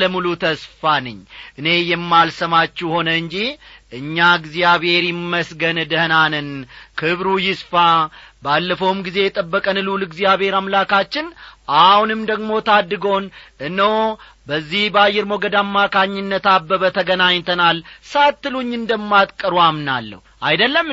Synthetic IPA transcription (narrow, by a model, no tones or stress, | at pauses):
ləmulut̪ʰəsfanɨɲːʔɨne̞jɛmːalsəmat͡ʃːuho̞nəɨɲd͡ʒiʔɨɲːaɡzijaβhe̞ɾjɪmːəsɡənd̪əhnanɨnkʰɨβɾujɪsfabalːəfowmɡize̞jɛt̪ʼəbːəkʼənɨlulɨɡzijaβhe̞ɾamlakat͡ʃːɪnʔahunɨmd̪əɡmo̞t̪ʰad̪ːɨɡonɨnːəw | bəzːihbəajːɛɾmoɡəd̪amːakʰaɲːɪnːət̪abəβət̪ʰəɡənaɲːt̪ʰənalsat̪ːɨluɲːɨnd̪əmːat̪ʼkʼːəɾwamnalːə̰h | ʔajd̪əlːəm